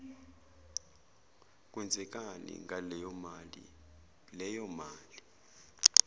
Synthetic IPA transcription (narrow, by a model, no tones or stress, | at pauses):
kʼwɛnd͡zʱɛk̬ʼanḭŋʱali | lɛjɔmaːli